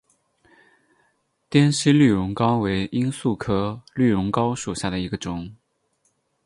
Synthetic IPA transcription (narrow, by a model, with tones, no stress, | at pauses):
t̪jɛ˥nɕi˥ly˥˩ɻʊ˧˥ŋkɑ˥ʊwe˧˥ɪʔi˥nsu˥˩kʰɤ˥ly˥˩ɻʊ˧˥ŋkɑ˥ʊʂu˨˩ɕja˥˩d̪ə˩i˧˥ɡə˧ʈ͡ʂʊ˨˩˦ŋ